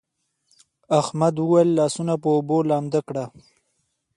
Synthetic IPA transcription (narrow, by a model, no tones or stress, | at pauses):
axmad̪wəwajlːɑːsunapəobolɑːmd̪akɽa